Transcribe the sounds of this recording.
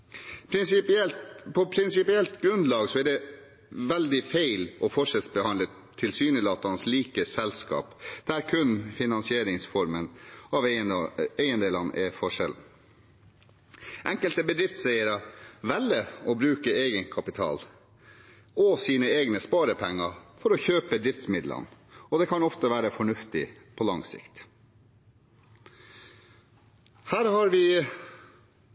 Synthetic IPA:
plpʰɔpʰɾɪnsɪpɪɛlt̪ɡɾʉnd̪lɑːɡsɔæɖɛ | ʋɛld̪ɪfæɪlɔfɔʂɛlsbəhɑnlə | t̪ʰːɪlsyːnəlɑːt̪ɑnsliːkəsɛlskɑ̰ːpd̪̥æɾkʰʉnfɪnɑnsɪeːɾɪŋsfɔɾmənɑʋ | æɪənd̪eːlɑnːɛfɔʂɛ̰ln̩ | ʔɛŋkəlt̪əbəd̪ɾɪft̪sɛɪəɾɑʋɛlːəɔbɾʉːkəeːɡənkʰɑpɪt̪ʰɑ̰ːl | ɔsiːnəeːɡnəspɑːɾəpʰɛŋːɑfɔɾɔçøːpəəd̪ɾɪft̪smɪd̪lə̰nɔd̪ɛkʰɑnɔft̪əʋæːɾəfɔɳʉft̪ɪ̰ | pʰɔlɑŋsɪ̰kt̪ | hæːɾhɑɾʋɪ

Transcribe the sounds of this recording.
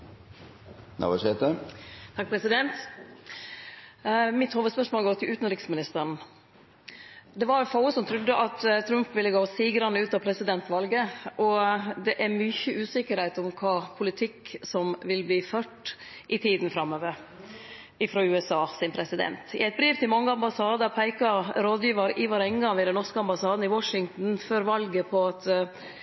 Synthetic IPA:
nʔɑ̰ʋəset̪ət̪ʰɑk̚pʰɾɛsɪd̪ɛnt̪ | mɪt̪hoːʋəspœʂmoːlɡoːt̪ʰɪlʉːt̪n̩ɾɪksmɪnɪst̪ən̩ | d̪ɛʋɑɾfɑʊəsɔmt̪ʰɾʉd̪ːəʔɑt̪t̪ʰɾʉmpʋɪlːəɡoːsiːɡɾɑnəʉːt̪ɑpʰɾɛsɪd̪ɛnt̪ʋɑlɡəʔɔd̪ɛʔæɾmyçəʔʉːsɪkəɾhæɪt̪ɔmkʰɑːpʰʊlɪt̪ʰɪkːsɔmʋɪlbliːføːʈ | ʔɪt̪ʰiːd̪nfɾɑmːøːʋəɾ | ɪfɾoːʉːɛsɑːsɪnmpʰɾɛsɪd̪ɛ̰nt̪ɪ̰æɪt̪̚bɾiːʋt̪ʰɪlmɑŋːəɑmbɑsɑːd̪əpʰæɪkɑɾoːd̪jiːʋɑɾɪʋɑɾɛŋɡɑŋʋɪd̪ɛnːɔɾʂkəɑmbɑsɑːd̪n̩ɪwɔʂɪŋt̪n̩føːɾʋɑlɡəpʰɔɑt̪

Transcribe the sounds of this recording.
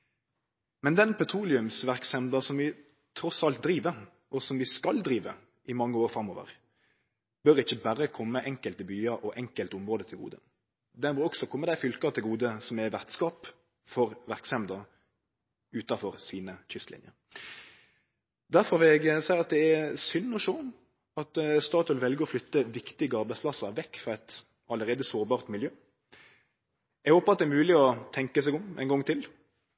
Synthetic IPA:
mɛnd̪ɛnpʰɛt̪ʰɾuːlɪʉmsʋæʁksɛmd̪ɑsɔmʋɪ | t̪ʰɾɔsɑlt̪̚d̪ɾiːʋəɾ | ʔɔsɔmʋɪskɑld̪ɾiːʋə | ʔɪmɑŋːəoːɾfɾɑmːoːʋə̰ɾ | b̥œɾɪçːəbæɾəkʰɔmːəʔɛŋkəlt̪ɪbyːɑʔɔʔɛŋkəlt̪ʊmʁoːd̪ət̪ʰɪlɡṵːd̪ə̰ | d̪ɛnbɔɾɔɡsɔkʰɔmːəd̪æɪfʏlkɑt̪ʰɪlɡuːd̪əsɔmɛʋæʁt̪skɑːp | fɔɾʋæʁksɛmd̪ɑ | ʉːt̪ɑfɔʁsiːnəçʏst̪lɪ̰njəɾ | d̪æɾfɔɾʋɪlɛɡsæɪʁɑt̪̚d̪ɛæsʏnːɔʃoː | ɑt̪st̪ɑːt̪ɔlʋɛlɡəɾɔflʏt̪ːəʋɪkt̪ɪɡəɑɾbæɪsplɑsəɾʋɛkːfɾɑɛt̪ | ɑləɾʁeːd̪əsoːɾbɑːʁt̪mɪljøː | æɡhoːpɑɑt̪̚d̪ɛæɾmʉːlɪɔt̪ʰɛŋkəsɛɡɔmʔæ̰ɪnɡɔŋːt̪ʰɪl

